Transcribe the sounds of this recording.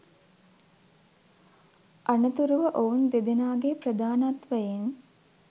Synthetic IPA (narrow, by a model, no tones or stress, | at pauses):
ʔanɐt̪uɾuʋəʔound̪ed̪enaːɡeprɐd̪aːnat̪ʋəjen